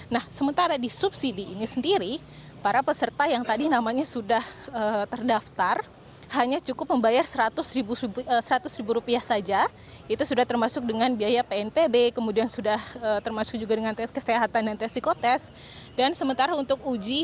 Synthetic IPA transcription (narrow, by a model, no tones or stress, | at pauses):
nahsəmənt̪aɾadisupsidiːnisəndiɾi | paɾapəsərt̪ajaŋt̪adinamaɲasudahət̪ərdaft̪ar | haɲat͡ʃukʊp̚məmbajarsəɾat̪ʊsɾibuəsəɾat̪ʊsɾibuɾupiahsad͡ʒa | it̪usudaht̪ərmasʊk̚dəŋanbiajapeɛnpebekəmudiansudahət̪ərmasʊ̥k̚d͡ʒuɡadəŋant̪ɛkəseɦat̪andant̪ɛsikot̪ɛs | dansəmənt̪aɾaunt̪ʊk̚ud͡ʒi